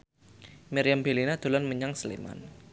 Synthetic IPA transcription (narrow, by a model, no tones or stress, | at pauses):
miɾijambelinad̪̥o̤lanməɲaŋslḭma̰n